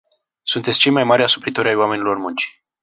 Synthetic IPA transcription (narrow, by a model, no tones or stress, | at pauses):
sunt̪et̪sʲt͡ʃe̞jmajmaɾʲasupɾit̪oɾajwame̞nilo̞rmunt͡ʃi̥